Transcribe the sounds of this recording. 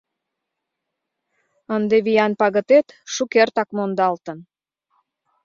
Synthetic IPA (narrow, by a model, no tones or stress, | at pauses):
ənd̪eβijɑnpɑɣət̪et̪ʃukert̪ɑkmond̪ɑlt̪ə̆n